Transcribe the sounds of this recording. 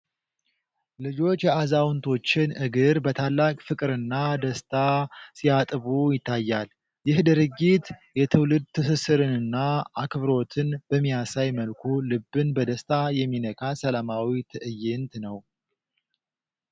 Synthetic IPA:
lɨd͡ʒo̞t͡ʃːjɛazawnt̪ʰo̞t͡ʃːɪnɨɡɨɾbət̪ʰalːakʼfɨkʼɨɾɨnːad̪əst̪ʰasijat̪ʼɨβujɪt̪ʰːajːal | jɪhd̪ɨɾɨɡːit̪jɛt̪ʰɨwlɨd̪̚t̪ʰɨs̬ɨsɨɾɨnɨnːaakʰɨβɾo̞t̪ʰɨnb̥əmːijasajməlkʰulɨbːɨnbəd̪əst̪ʰajɛmːinəkʰasəlamawit̪ʰɨʔɨjɪnt̪nəw

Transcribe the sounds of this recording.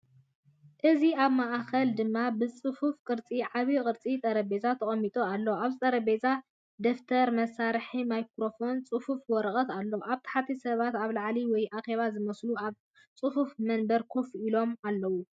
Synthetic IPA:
ʔɨziaβmaʔkɐld̪ɨmːabɨt͡sʼɨfufkʼɨɾt͡sʼiʕaβikʼɨɾt͡sʼit̪ʼɐɾɐbe̞zat̪ʰɐχʼɐmːit̪ʼualːoaβzɨt̪ʼɐɾɐbe̞za | d̪ɐft̪ʰɐɾmɐsaɾħimajkɾo̞fo̞nt͡sʼɨfufwɔɾχʼɐt̪alːoʔaβt̪ʰḁħat̪ʰisɐβat̪aβlaʕliwɔjʔaxe̞βazɨmɐsluaβ | t͡sʼɨhufmɐnbɐɾkʰofilo̞malːɐwu

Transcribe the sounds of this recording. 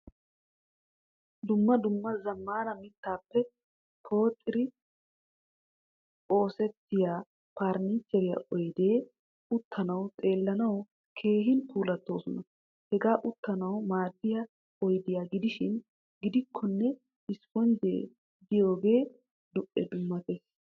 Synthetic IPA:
d̪ʊmːɐd̪ʊmːɐzɐmːaːnɐmɪt̪ːaːpːɛ | kʰo̞ːt̪ʼːɪɾɪ | o̞ːsɛt̪ːɪjaː | paːɾnit͡ʃːɛɾɪjɐ̰ʔɔjd̪eː | ʊt̪ʰːɐnɐwt̪ʼe̞ːlːɐnɐw | kʰe̞ːɦɪnkʰuːlɐt̪ːo̞ːsɔnɐ | hɛɡaːʔʊt̪ːɐnɐwmaːd̪ːɪjɐ | ɔjd̪ɪjaːɡɪd̪ɪʃɪn | ɡɪd̪ɪkʰːɔnːɛ | ɪsfɔnd͡ʒḛː | d̪ɪjo̞ːbe̞ː | d̪ʊʔɛ̰d̪ʊmːɐt̪e̞ːs

